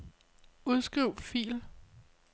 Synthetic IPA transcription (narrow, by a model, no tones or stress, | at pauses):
uð̞ˠsɡ̥ʁiʊfḭːl